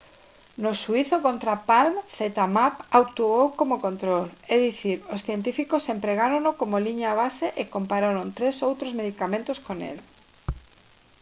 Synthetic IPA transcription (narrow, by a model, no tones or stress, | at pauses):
nosuiθokont̪ɾapalmθet̪amapawkt̪uowkomokont̪ɾolɛðiθiɾosθjent̪̬ifikosempɾeɣaɾõnokomoliɲaːβ̞aseʔekompaɾoɾont̪ɾesowt̪ɾozmeðikamẽnt̪oskonḛl